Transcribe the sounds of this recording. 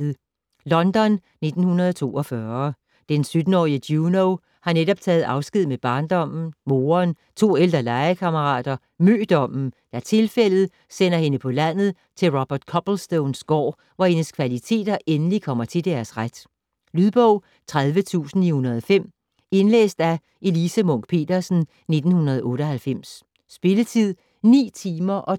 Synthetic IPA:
ð̩ˠ | lɒ̽nd̥ɒ̽nːe̝d̥n̩hunɐð̞ˠɒt͡sʰo̝̰ːɒfɶɐ | d̥ensød̥n̩ɒ̰ːiəd̥junoʊ | hɑ̈neɾɒ̽b̥̚t͡sʰɛːð̞̩ˠɑ̈ʊsɡ̥ið̞̰ˠmeb̥ɑ̈ːnd̥ɒ̽m̰n̩mo̝ːɐn | t͡sʰo̝̰ːeld̥ʁɐlɑ̈ɪɐkʰɑməʁɑ̰̈ːd̥ɐ | mø̰ːd̥ɒ̽m̰n̩d̥æɐt͡sʰe̝lfel̰ð̞̩ˠ | sen̰ɐhe̝nəpʰɒ̽læn̰ð̞̩ˠ | t͡sʰe̝lʁɒb̥ɐd̥kʰɒ̽b̥lsd̥oʊnsɡ̥ɒ̰ː | ʋɒhe̝nəskʰʋælit͡sʰe̝̰ːd̥ɐʔenəlikʰɒ̽m̰ɐt͡sʰe̝ld̥æɐsʁad̥ | lyðˠb̥ɔʊ̰ | t͡sʰʁaðˠʋət͡sʰṵːsn̩ihunɐð̞ˠɒfem̰ | e̝nlḛːsd̥æ | e̝lisəmɔ̽ŋ̰ɡ̥̚pʰe̝̰ːd̥ɐsn̩ | ne̝d̥n̩hunɐð̞ˠʔɔ̽ːɾɒ̽ɦælfem̰s | sb̥e̝lət͡sʰið̰ˠ | nḭːt͡sʰiːmɐʔɒ̽

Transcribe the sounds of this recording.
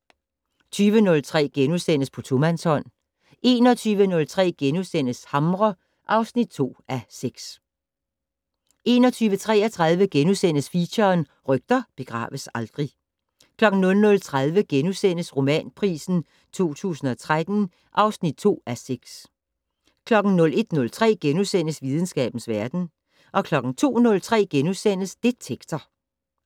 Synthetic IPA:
t͡sʰyːʋənɔ̽lt͡sʰʁɛ̰ːɡ̥enusen̰əspʰɒ̽t͡sʰomænshɒ̽n̰ | ʔe̝̰ːnɒ̽t͡sʰyːʋənɔ̽lt͡sʰʁɛ̰ːɡ̥enusen̰əshɑ̈mʁɒ | ʔɑ̈ʊsnid̥̚t͡sʰo̝̰ːæseɡ̥s | ʔe̝ːnɒt͡sʰyːʋət͡sʰʁɛːɐt͡sʰʁɑ̈ð̞ˠʋəɡ̥enusen̰əsfiɕɐːn | ʁœɡ̥̚d̥ɐb̥e̝ɡ̥ʁɑ̰̈ːʋəsɑ̈ld̥ʁi | kʰlɒ̽ɡ̥n̩nɔ̽lnɔ̽lt͡sʰʁað̞ˠʋəɡ̥enusen̰əsʁo̝mɛ̰ːnpʰʁḭːsn̩ | t͡sʰo̝̰ːt͡sʰṵːsn̩ɒ̽t͡sʰʁad̥n̩ | ʔɑ̈ʊsnid̥̚t͡sʰo̝̰ːæseɡ̥s | kʰlɒ̽ɡ̥n̩nɔ̽le̝d̥nɔ̽lt͡sʰʁɛ̰ːɡ̥enusen̰əsʋið̞ˠn̩sɡ̥ɛ̰ːb̥n̩sʋæɐd̥n̩ | ʔɒ̽kʰlɒ̽ɡ̥n̩t͡sʰo̝̰ːnɔ̽lt͡sʰʁɛ̰ːɡ̥enusen̰əsd̥e̝̥t͡sʰeɡ̥d̥ʰɐ

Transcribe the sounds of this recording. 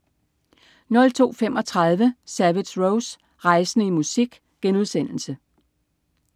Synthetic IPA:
nɔ̽lt͡sʰo̝̰ːfem̰ɒ̽t͡sʰʁɑ̈ð̞ˠʋəsæʋi̥sʁoʊs | ʁɑ̈ɪsənəimusiɡ̥ | ɡ̥enuð̞ˠsen̰l̩sə

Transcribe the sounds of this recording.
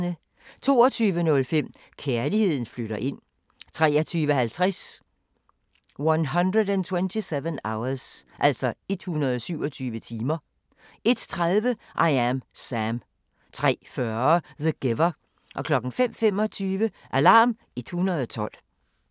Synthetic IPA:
nə | t͡sʰo̝ːɒt͡sʰyːʋənɔ̽lfem̰ | kʰæɐlihe̝ð̞̰ˠn̩fløɾɐʔe̝n̰ | t͡sʰʁɛːɐt͡sʰyːʋəhælt͡sʰʁɛs | wɑnɦʌnd̥ʁədænt͡sʰwent͡sʰiseʋənäʊɐsʔæl̰sɒe̝d̥hunɐð̩ˠɒsyʊ̰ɒt͡sʰyːʋət͡sʰiːmɐ | e̝d̥t͡sʰʁaðˠʋəʔɑ̈ɪæmsæm | t͡sʰʁɛ̰ːfɶɐɐðəɡ̥eʋɐ | ʔɒ̽kʰlɒ̽ɡ̥n̩fem̰fem̰ɒt͡sʰyːʋəʔælɑ̰̈ːm | e̝d̥hunʁɐð̞̩ˠɒ̽t͡sʰɒ̽l̰

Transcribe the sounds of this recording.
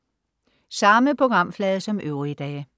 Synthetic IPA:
sɑ̈məpʰʁo̝ɡ̥ʁɑ̈m̰flɛːð̞̩ˠsɒ̽mʔøʊʁiid̥ɛ̰ː

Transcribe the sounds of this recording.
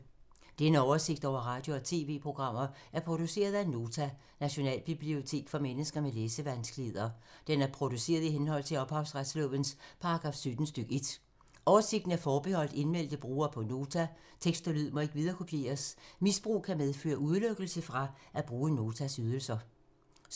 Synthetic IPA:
d̥enəɒʊɐse̝ɡ̥d̥ɒʊ̰ɐʁɑ̈ːd̥jo̝ɒ̽t͡sʰe̝̰ːʋe̝̰ːpʰʁo̝ɡ̥ʁɑ̈m̰ɐæɐpʰʁo̝d̥use̝̰ːɐð̞ˠæno̝ːt͡sʰæ | næɕo̝nɛ̰ːlb̥ib̥lio̝t͡sʰe̝̰ːɡ̥fɒ̽menəsɡ̥ɐmeleːsəʋænsɡ̥le̝ð̞ˠɐd̥enæɐpʰʁo̝d̥use̝̰ːɐðˠiɦenɦɒ̽l̰t͡sʰe̝lɒ̽b̥hɑ̈ʊsʁad̥slɔ̰ʋənspʰɑ̈ɑɡ̥ʁɑ̈ːfsød̥n̩sd̥øɡ̥əe̝d̥ | ʔɒʊɐse̝ɡ̥d̥n̩æɐfɒːb̥ehɒ̽l̰d̥e̝nmel̰d̥əb̥ʁuːɐpʰɒ̽no̝ːt͡sʰæ | t͡sʰeɡ̥sd̥olyð̰ˠmɒ̽e̝ɡ̥ʋið̞ˠɐkʰopʰje̝̰ːɐsmisb̥ʁṵːkʰæmeðˠfø̰ːɐʔuð̞ˠløɡ̥əl̩səfʁɑ̈ʔæb̥ʁuːəno̝ːt͡sʰæsyð̞ˠəl̩sɐ

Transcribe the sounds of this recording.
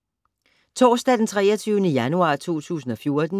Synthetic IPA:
t͡sʰɒ̰ːsd̥æd̥ent͡sʰʁɛːɐt͡sʰyːʊnəjænuɑ̰̈ːt͡sʰo̝̰ːt͡sʰṵːsn̩ɒ̽fjo̝ɐd̥n̩

